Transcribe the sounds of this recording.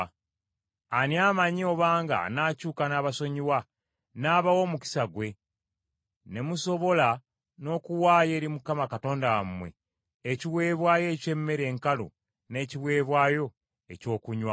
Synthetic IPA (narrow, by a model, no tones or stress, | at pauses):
aniaːmaɲioβaːŋɡa̰naːcuːkanaːβaso̞ɲiwa | naːβawo̞ːmuci̥saɡwe̞ | ne̞muso̞βo̞la | no̞ːkuwaːje̞ːɾimukːamakato̞ːndawamːwe̞̰ | eciwe̞ːβwaːjo̞ːce̞mːe̞ɾe̞ːŋkalo̰ | ne̞ːciβwe̞ːβwaːjo̞ | eco̞ːkuɲwa